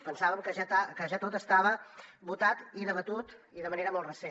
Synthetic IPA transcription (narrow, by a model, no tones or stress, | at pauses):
pənsaβəmkəʒat̪akəʒat̪ot̪əst̪aβ̞əbut̪at̪iðəβət̪ut̪iðəməneɾəmolˠrəse